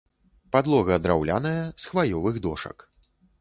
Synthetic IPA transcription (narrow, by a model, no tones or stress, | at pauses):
pad̪lˠɔɣɐd̪ɾawlʲa̰nɐjɐsxvajɔvɨɣd̪ɔʂɐ̰k